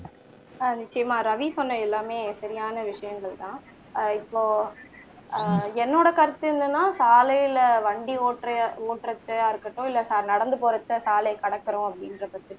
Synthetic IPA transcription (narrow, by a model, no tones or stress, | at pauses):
nɪt͡ʃːɐjɐmaːɾɐʋipɔnːɐɛlːaːmeːsɐɾɪjaːnɐʋɪʂɐjɐŋɡɐɭt̪ãː | ɪpːoː | ɛnːoːɽɐkɐɾɐt̪ːɯɯnd̪ɯnːaːsaːlɐjɪlɐʋɐɳɖioːʈɾɐoːʈɾɐt̪ːɯaːɪɾɯkːɐʈːʊ̃ɪlːɐsaːɾnɐɽɐnd̪ɯpoːɾɐt̪ːɐsaːlɐkɐɽɐkːɐɾʊ̃ɐpːɐɽɪnɾɐpɐt̪ːɯ